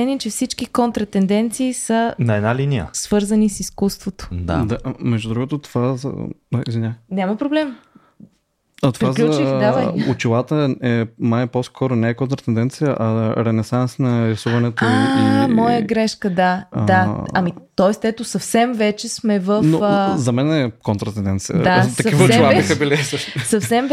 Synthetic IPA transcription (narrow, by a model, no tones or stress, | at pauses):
ɛniɛt͡ʃɛfsit͡ʃk̟ikont̪ɾɐt̪ɛnd̪ɛnt̪siːsənɐɛnalinijə̰sv̥ɤɾzənisiskust̪vot̪o̥d̪a̰d̪amɛʒd̪ud̪ɾuɡot̪ot̪o̥vaz̰aḭzvinʲanʲamɐpɾoblɛm | at̪opɾvazlʲut͡ʃid̪avaʊt͡ʃilˠat̪əɛmajposkʰɔɾonɛːkont̪ɾɐt̪ɛnd̪ɛnt̪sijəʔɐɾɛnɛsansnɐɾɛsuvɐnɛt̪oamɔjəɡɾɛʃkəd̪aaɐmit̪ɔɛst̪ɛt̪osɐfsɛmvɛt͡ʃɛsmɛvəfnozɐmɛnɛkont̪ɾɐt̪ɛnd̪ɛnt̪sijə̰at̪ɐk̪ɐkivt͡ʃilˠabixəbilisəʃt̪osɐfsɛm